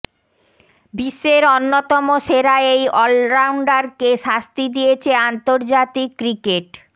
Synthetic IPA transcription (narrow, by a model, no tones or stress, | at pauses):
biʃːeɾonːot̪ɔmoʃeɾaejɔlɾawɳɖaɾkeʃast̪id̪ijet͡ɕʰeant̪oɾd͡ʑat̪ikːɾikeʈ̚